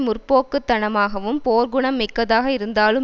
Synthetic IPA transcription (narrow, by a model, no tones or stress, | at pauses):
mʊrpoːkːɯt̪ːɐɳɐmaːɣɐʋɯmpoːɾɡʊɳɐmːɪkːɐðaːɣɐɪɾɯnd̪aːlɯ